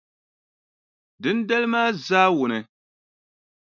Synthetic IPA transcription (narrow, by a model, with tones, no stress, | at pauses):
dɨ˦n˦dɛ˦lɨ˦maː˦zaː˦wʊ˨nɨ˨